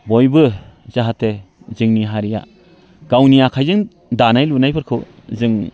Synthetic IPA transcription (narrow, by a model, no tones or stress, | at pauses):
bɔjbɯz̥aɦatːe | zɯŋniɦaɾija̰ | ɡ̥awnijakʰajzɯŋ | danajlunajpʰɯɾkʰɯw | zɯŋ